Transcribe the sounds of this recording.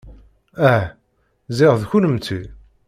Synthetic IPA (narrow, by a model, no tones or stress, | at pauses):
æ | zɪʁðçunəmt͡sːi